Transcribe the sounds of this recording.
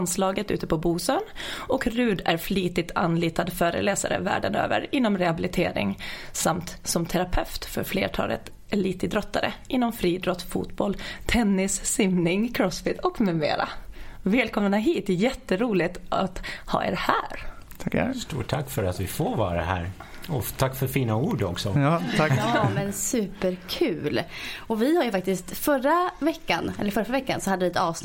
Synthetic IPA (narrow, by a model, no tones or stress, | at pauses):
nslɑːɡət̪ʉ̟ːt̪əpʰɔbuːsøːnɔkɾʉ̟ːd̪æɾfliːt̪ɪt̪ʰa̰nliːt̪ad̪fœːɾə̰lɛːsa̰ɾə̰væ̰ːɖənø̰ːvə̰ɾɪnːɔmɾɛhabɪlɪt̪ʰeːɾɪ̰ŋsamt̪sɔmt̪ʰɛɾapʰɛft̪fœɾflḛːʈʰɑ̰ːlə̰t̪ | ɛliːt̪əd̪ɾɔt̪ʰːaɾəʔɪnːɔmfɾiːd̪ɾɔt̪ːfṵːt̪bɔlt̪ʰɛnːɪsːɪmnɪŋkʰɾɔsfɪt̪ʰɔkmʉmḛːɾa̰vɛːlkʰɔmnaɦiːt̪̚d̪ɛjɛt̪ːəɾuːlɪt̪at̪hɑ̰ːʔḛːɾhæːɾʰ | st̪ṵːʈʰːakːfœɾat̪vɪfoːɾvɑːɾa̰ɦæ̰ːɾ | ɔt̪ʰakːfœɾfiːnauːɖɔksɔ | ɑmɛnsʉ̟ːpəɾkʰʉ̟ːlɔvɪhaɾjɵfak̚t̪ɪst̪fœɾavɛkːanɛ̰ləɾfœɾfɾavɛkːansɔhad̪əvɪɛt̪ɑːvs